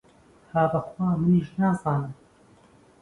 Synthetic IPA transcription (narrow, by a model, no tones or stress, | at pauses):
haːbɐxwaːmɨniʃnaːzaːnɨm